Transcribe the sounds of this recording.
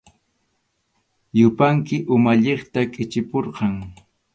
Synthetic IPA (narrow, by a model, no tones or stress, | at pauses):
jʊpaŋkɪʔʊmaʎeχt̪akʼɪt͡ʃɪpoɾqɑŋ